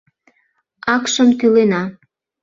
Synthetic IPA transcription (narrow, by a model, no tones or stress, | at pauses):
ɑkʃəmt̪ylenɑ